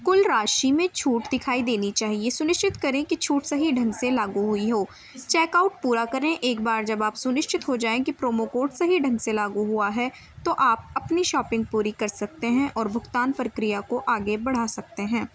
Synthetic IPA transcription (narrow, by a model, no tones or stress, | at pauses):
kʊlɾaːʃimẽt͡ʃʰuːʈd̪ɪkʰaːid̪eːnit͡ʃaːɦiesʊnɪʃt͡ʃɪt̪kɐɾẽkit͡ʃʰuːʈsɐɦiɖʱɐ̃ŋɡselaːɡuɦʊiɦoː | t͡ʃɛːkaːʊʈ̚puːɾakɐɾẽʔeːk̚baːɾd͡ʒɐbaːpsʊnɪʃt͡ʃɪt̪ɦod͡ʒaːẽkipɾoːmokoːʈsɐɦiɖʱɐ̃ŋɡselaːɡuɦuaɦɛ | t̪oʔaːp̚ɐpniʃɔːpɪ̃ŋɡ̚puːɾikɐɾsɐk̚t̪eɦɛ̃ʔɔːɾbʱʊɡt̪aːnpɾəkɾijakoʔaːɡebɐɽ̤aːsɐk̚t̪eɦɛ̃ː